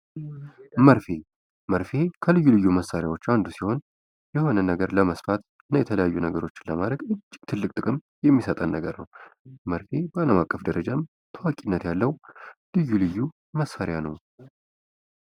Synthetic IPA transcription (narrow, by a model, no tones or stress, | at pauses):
məɾfe | məɾfe̞kʰəlɨjːulɨjːuməsaɾjawo̞t͡ʃːand̪usiho̞n | jɛho̞nənəɡəɾləməsfat̪ | ɨnːəjɛt̪ʰələjajːunəɡəɾo̞t͡ʃːɪnləmad̪ɾəɡɨt͡ʃʼːɪɡ̥̚t̪ʰɨlːɨkʼt̪ʼɨkʼɨm | jɛmːisət̪ʼənːəɡəɾnə̰wməɾfebəaləmakʼːəfd̪əɾəd͡ʒam | t̪ʰəwakʼinːət̪jalːəwlɨjːulɨjːu | məsːaɾɪjanəw